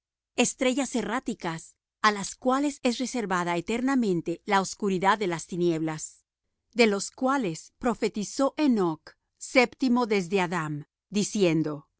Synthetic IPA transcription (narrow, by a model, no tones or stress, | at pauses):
e̞st̪ɾe̞ʝaserat̪ikas | alaskwale̞se̞s̬re̞se̞ɾβaðaet̪e̞ɾnamẽ̞nt̪e̞laoskuɾiðaðːe̞last̪inje̞βlas | d̪e̞lo̞skwale̞spɾo̞fe̞t̪iso̞ʔenok | sept̪imo̞ðe̞zðe̞aðam | d̪isje̞nd̪o̞